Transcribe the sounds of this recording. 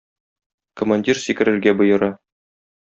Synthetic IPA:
kŏmanʲdʲirsikɘ̆ɾɘ̆ɾɡæbɤ̆jɤ̆ɾɑ

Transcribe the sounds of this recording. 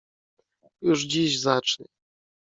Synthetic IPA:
juʐd͡ʑiʑzat͡ʂnɛ

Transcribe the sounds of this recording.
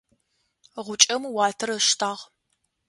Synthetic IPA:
ʁʷʊt͡ʃʼɐmuwɑːtʰɐrɐʃtʰaːʁ

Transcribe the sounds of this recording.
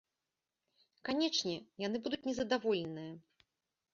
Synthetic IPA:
kanʲɛt͡ʂnʲɛjan̪ɨbud̪ut͡sʲnʲɛzɐd̪avɔlʲɛnɨjɐ

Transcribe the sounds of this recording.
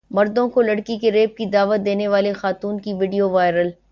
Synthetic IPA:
mɐɾd̪õkolɐɽkikeɾeːp̚kid̪aːʋət̪̚d̪eːneʋaːlexaːt̪uːnkiʋɪɖijoʋaːɪɾəl

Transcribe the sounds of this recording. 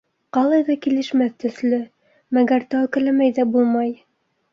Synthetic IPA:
qɑlˠɑjðɑkilɘ̆ʃmæθt̪ɵ̆θlɵ | mæɡæɾt̪ɑwkɘ̆læmæjðæbulˠmɑj

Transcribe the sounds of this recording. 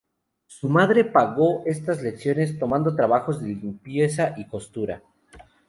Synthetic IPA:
sumaðɾe̞paɣo̞ʔe̞st̪azleksjo̞ne̞st̪o̞mãnd̪o̞t̪ɾaβaxo̞zðe̞limpje̞saʔiko̞st̪uɾa̰

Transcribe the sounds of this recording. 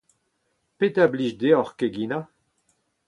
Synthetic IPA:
pet̪abliʃd̪eɔʁkeɡina

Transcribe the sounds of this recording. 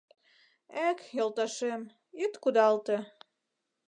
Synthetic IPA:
ækjolˠt̪ɑʃem | it̪kud̪ɑlt̪ĕ

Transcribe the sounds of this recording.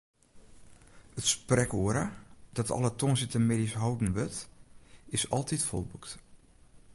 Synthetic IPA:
ətsprɛkoːəɾad̥ɔtɔ̰lətʰonsɪtəmedisɦɔwdn̩ʋøt | ɪsɔ̰lˠtʰitfɔ̰lˠbukt

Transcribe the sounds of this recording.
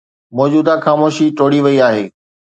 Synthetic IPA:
mɔːd͡ʑuːd̪axaːmoːʃiʈoːɽiʋɐiaːɦeː

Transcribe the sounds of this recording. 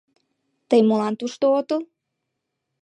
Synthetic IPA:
t̪əjmolɑnt̪uʃt̪oot̪əl

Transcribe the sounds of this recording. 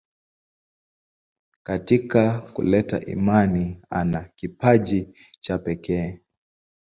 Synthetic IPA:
katikakṵlɛta̰ʔḭmania̰nakipaʄit͡ʃapɛkɛː

